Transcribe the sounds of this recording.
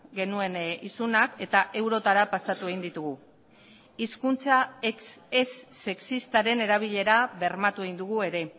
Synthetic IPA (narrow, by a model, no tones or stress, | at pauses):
ɡe̞nue̞nisunake̞t̪aʔe̞wɾo̞t̪aɾapasat̪ue̞ɣind̪it̪uɣu | iskunt͡sasesːe̞ksist̪aɾe̞ne̞ɾaβ̞iʎe̞ɾaβe̞ɾmat̪ue̞ɣind̪uɣ̞ue̞ɾe̞